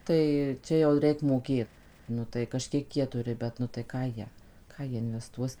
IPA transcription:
ˈtɐɪ ˈt͡ʃʲɛ jɛʊ ˈrʲɛɪk ˈmoːkʲeːt ˈnʊ tɐɪ kɐˈʃʲkʲiɛk ˈjiɛ ˈtʊrʲɪ ˈbʲɛt nʊ tɐɪ ˈkɑː ˈjiɛ ˈkɑː jiɛ ɪnʲʋʲɛˈstuɔs

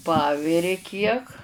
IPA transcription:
ˈpɑːʋʲɪrʲɪ kʲiɛk

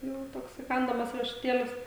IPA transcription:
ˈjɛʊ ˈtoːks iːˈkɐndɐmɐs rʲiɛʃʊˈtʲeːlʲɪs

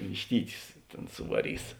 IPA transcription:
ʋʲɪʃʲˈtʲiːtʲʊs ˈtʲeːn sʊʋɐˈrʲiːs

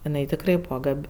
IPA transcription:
ɪˈnɐɪ tʲɪkˈrɐɪ ˈbuːʋɐ ˈɡɐpʲ

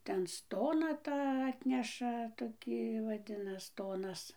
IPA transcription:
ˈtʲɛn ˈstoːnɑː ˈtɑː ˈɑːtʲnʲɛʃɐ toːˈkʲiː ʋɐˈdʲɪnɐs ˈstoːnɐs

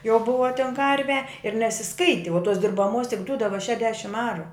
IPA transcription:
jɛʊ ˈbʊʋɐ tʲɛn ˈkɐrʲʋʲɛ ɪr nʲɛsʲɪˈskɐɪtʲɪ oː toːs dʲɪrbɐˈmoːs tʲɪk ˈdʊdɐʋɐ tʲɪk ʃʲɛʒʲˈdʲæːʃʲɪm ˈɑːrʊ

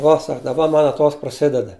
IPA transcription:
ˈuɔ ˈsɐk dɐˈbɐ ˈmɐn ɐˈtoːs prɐˈsʲɪdʲɛdɐ

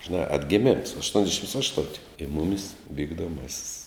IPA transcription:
ʒʲɪˈnɑː ɐdʲɡʲɛˈmʲɪms ɐʃtuɔnʲzʲˈdʲæːʃʲɪms ˈɑːʃtʊnʲtʲɪ ɪ ˈmʊmʲɪs ʋʲiːɡdoːˈmɑːsʲɪs

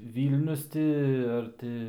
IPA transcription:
ˈʋʲiːlʲnʲʊs tʲɪ ɐr ˈtʲɪ

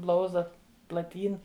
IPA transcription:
ˈblˠɐʊzdɐ plˠɐˈtʲiːn

